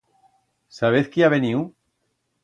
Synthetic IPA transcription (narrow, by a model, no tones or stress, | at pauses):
saβeθkiaβeniuw